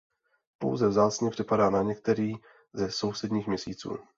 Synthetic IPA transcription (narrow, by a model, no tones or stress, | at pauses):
po̞̰wzɛvzaːt͡sɲɛpr̝̥ɪpadaːnaɲɛk̚t̪ɛɾiː | zɛso̞wsɛdɲiːxmɲɛsḭːt͡sṵː